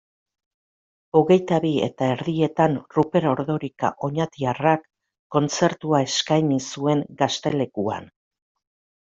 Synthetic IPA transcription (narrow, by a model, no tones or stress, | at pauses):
o̞ɣe̞jt̪aβie̞̰t̪ae̞ɾðie̞t̪anrupe̞ɾo̞ɾðo̞ɾika̰ʔo̞ɲat̪iarakː | o̞nt͡se̞ɾt̪uae̞skajnisue̞ŋɡast̪e̞le̞kua̰n